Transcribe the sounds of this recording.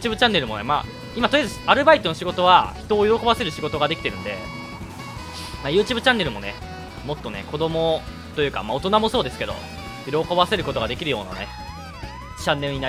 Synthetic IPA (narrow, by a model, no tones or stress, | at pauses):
t͡ɕɨːbɯt͡ɕãnːe̞ɾɯ̟mo̞nḛma̰ | imat̪ojazaɾɯ̟bait̪o̞no̞ɕiɡo̞t̪o̞β̞açi̥t̪o̞ːjo̞ɾo̞ko̞base̞ɾɯ̟ɕiɡo̞t̪o̞ɡad̪ekʲi̥t̪e̞ɾɯ̟̃nd̪e̞̰ | majɯ̟ːt͡ɕɨːbɯ̟t͡ɕãnːe̞ɾɯ̟mo̞ne | mo̞t̪ːo̞ne̞̰ko̞d̪o̞mo̞ | t̪ojɯ̟ka̰maot̪o̞namo̞soːd̪e̞sɨ̥ke̞d̪o̞̰ | jo̞ɾoko̞βase̞ɾɯ̟ko̞t̪o̞ɡad̪e̞kʲiɾɯ̟jo̞̰ːna̰ne̞̰ | t͡ɕãnːe̞ɾɯ̟ɲ̟ina